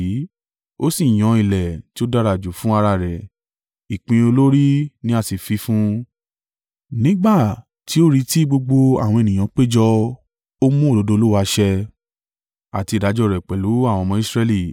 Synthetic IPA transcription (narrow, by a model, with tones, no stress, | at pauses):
o˦si˦˨j̃ɔ̃˧i˨lɛ˨ti˦o˦da˦˧ɾa˨d͡ʒu˨fũ˦a˧ɾa˧˨ɾɛ˨ | i˨k͡pĩ˧o˧lo˦ɾi˦nĩ˦a˦˨si˨fi˨˧˦fũ˦ | nĩ˦ɡ͡ba˦˨ | ti˨˦o˦ɾi˧ti˦ɡ͡bo˧ɡ͡bo˧a̰˨wɔ̃˧e˨nĩ˨j̃ã˨˧k͡pe˦d͡ʒɔ˧ | o˦mũ˦o˦˨do˨˦do˧˦lo˦wa˧ʃɛ˧ | a̰˨ti˧˨da˨˧˦d͡ʒɔ˧˨ɾɛ˨k͡pɛ˨lu˨˦a˦˨w̃ɔ̃˧mɔ̃˧˦i˦sɾɛ˧li˦˨